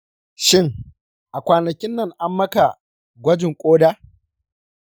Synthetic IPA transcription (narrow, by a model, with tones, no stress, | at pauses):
ʃɪ˦ŋ | ʔa˨kʷaː˨nɐ˨kʲɪ˦nːɐ˦˨ŋʔa˦mːɐ˦ka˨ | ɡʷɐ˦d͡ʒɪ˨ŋkʷʼoː˦daː˦